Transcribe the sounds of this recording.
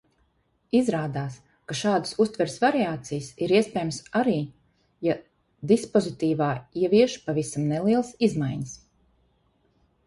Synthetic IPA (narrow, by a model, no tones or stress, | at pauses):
izɾaːd̪aːs | kaʃaːd̪ə̥sust̪vɛɾsvaɾiaːt̪sijsiɾiɛspʲɛjmsaɾiː | ja | d̪ispɔzit̪iːvaːiɛviɛʃpavisamnɛlˠiɛlˠsizmajɲəs